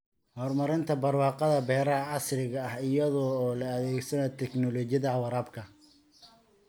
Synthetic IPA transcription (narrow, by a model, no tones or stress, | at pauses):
hɔːrmɐɾɪnt̪ʰɐbɐrwɑːqɑðɐbɛːɾɐɐʕɑsrɪɣɐɐhɪjɐðɔːlɐɐðɛːɡsɐnɛt̪ʰɛknɔlɔːt͡ʃjɐðɐʕɑwɑɾaːbkʰɐ